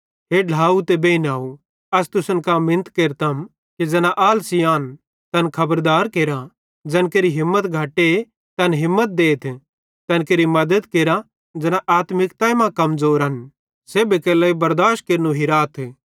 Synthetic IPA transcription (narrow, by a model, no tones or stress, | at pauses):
ɦeːɖʱaːut̪ebeːinaːu | ɐst̪ʊsənkamɪ̃nət̪keːɾt̪ɐm | kid͡zɐnaʔaːlsijaːn | t̪ɐnkʰɐbəɾd̪aːɾkeːɾã | d͡ʒɐnkeːɾiɦɪmːət̪ɡʱɐʈːe | t̪ɐnɦɪmːət̪̚d̪eːt̪ʰ | t̪ɐnkeːɾimɐd̪əd̪keːɾã | d͡ʒɐnãʔaːt̪mɪkt̪aːimãkɐmzoːɾɦɐn | seːbekeːlɐːibɐɾd̪aːʃkeːɾnuɦiɾaːt̪ʰ